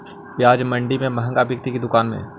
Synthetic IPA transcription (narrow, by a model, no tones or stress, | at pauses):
pjaːd͡ʒmɐ̃ɳɖimẽmɐɦə̃ŋɡabjəkt̪ikid̪ʊkaːnmḛ̃ː